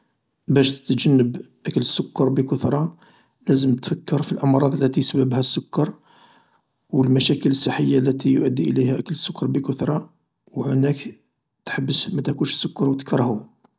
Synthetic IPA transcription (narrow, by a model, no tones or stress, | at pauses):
bæʃt̪ət̪ʒənːəbʔækələsːʊkːɑɾˤbəkʊt̪ɾˤɑ | læzəmt̪fækːəɾfilʔɑmɾˤɑd̪ˤəlːæt̪ijsbəbhæsːʊkːɑɾˤ | wəlmæʃækələsːəħːəjːalːæt̪ijʊʔəd̪ːiʔə̰ləhæʔækələsːʊkːɑɾˤbəkʊt̪ɾˤɑ | whʊnæk | t̪ħabːəsmæt̪ækunʃsːʊkːɑɾˤwət̪kɾˤhu